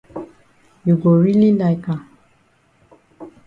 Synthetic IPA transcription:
ju˨ɡo˨ɾi˦li˦na˨i˨ka˨

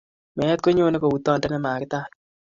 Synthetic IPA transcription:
mɛ˨ɛ˦t̚ko˦ɲo˦ne˦ko˨wu˨tɔ˦ndɛ˦nɛ˦maː˨kɪ˦taː˦

